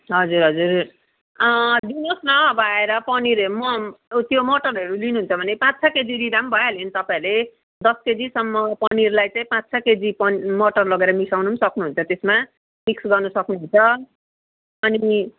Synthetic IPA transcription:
ɦʌd͡zurɦʌd͡zur | ʌlinosnʌːbʌaeɾʌpʌniɾʌmʌt̪jomoʈʌrʌɾulinuɦunt͡sʰʌbʱʌnepãt͡st͡sʰʌked͡ziɾid̪ambʱʌjʌlent̪ʌpaĩle | d̪ʌsked͡zisʌmːʌpʌnirlajt͡saĩpãt͡st͡sʰʌked͡zipʌmoʈʌrlʌɡeɾʌmisawnunsʌknuɦunt͡sʰʌt̪esma | miksɡʌrnʌsʌknuɦunt͡sʰʌ | ʌni

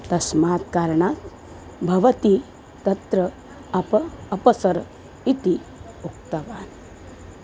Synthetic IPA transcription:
t̪ɐsmaːt̪kaɾɳat̪ | bʱɐʋət̪i | t̪ɐt̪ɾə | ɐpːpəsəɾ | it̪i | uk̚t̪əʋaːn

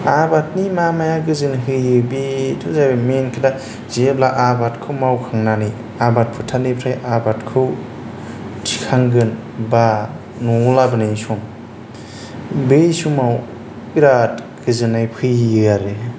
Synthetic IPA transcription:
abat̚nimamajaɡɯzɯnɦɯjːɯbitʰɯzajbamenkʰɯda | zeblaʔabatkʰɯwmawkʰaŋnani | abat̚pʰɯtʰanipʰɾajʔabatkʰɯw | tʰikʰaŋɡɯnba | nɔlabɯnɯjsɔŋ | besumaw | iɾat | ɡ̥ɯzɯnajpʰɯjɯɯaɾe

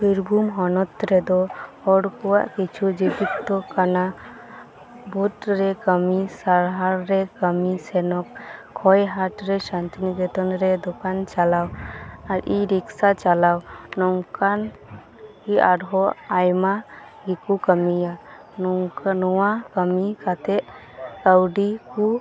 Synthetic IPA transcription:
biɾbʱumɦɔnɔt̪ɾɛd̪ɔhɔɽkɔwaʔkit͡ʃʰud͡ʒibik̚t̪ɔkana | but̪ɾɛkəmisaɾɦaɾɾɛkəmisɛnɔkʰː | ɔjɦaʈɾɛsant̪iniɡɛt̪ɔnɾɛd̪ɔkant͡ʃalawaɾiɾiksat͡ʃalawnɔŋkan | kiʔaɽɦɔʔajma | ɡikukəmija | nɔwakəmikat̪ɛʔ | kəwɖiku

